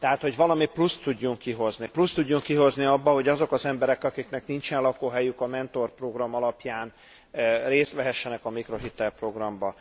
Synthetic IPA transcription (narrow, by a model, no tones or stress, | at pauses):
t̪ɛɦaːt̪ho̞ɟʋɒlɒmiplust̪ːuɟːuŋkːiɦo̞zniplust̪uɟːuŋkːiɦo̞zniɒbːɒɦo̞ɟɒzo̞kɒzɛmbɛɾɛkɒkiknɛknint͡ʃɛnlɒkoːɦɛjykɒmɛnt̪o̞rpro̞ɡrɒmɒlɒpjaːn | reːst̪ʋɛɦɛʃːɛnɛkɒmikro̞ɦit̪ɛlpro̞ɡrɒmbɒ